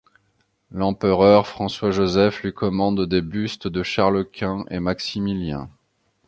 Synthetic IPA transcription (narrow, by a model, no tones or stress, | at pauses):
lɑ̃pəʁœʁfχɑ̃swaʒozɛflɥikɔmɑ̃d̪d̪ebyst̪d̪əʃaʁləkʲʰɛ̃ʔḛmaksimiljɛ̰̃